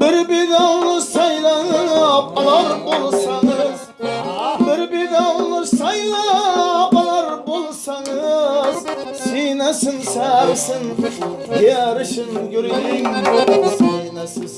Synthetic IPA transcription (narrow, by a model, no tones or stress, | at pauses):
b̥ɪɾbeɡ̪ɑwlˠəsɑjlˠɑnəɑpɑlˠɑɾbolˠsɑŋəz | bɪɾbeɡ̪ɑwlˠəsɑjlˠɑːpɑlˠɑɾbolˠsɑɴəzsinæsɪŋsæɾsɪŋjeɾɪʃɪnkʏɾjɪŋ